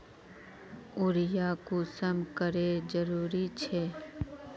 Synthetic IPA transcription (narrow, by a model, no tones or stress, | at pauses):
ʊɾɪjakusəmkəɾed͡ʒəɾuːɾit͡ʃʰɛː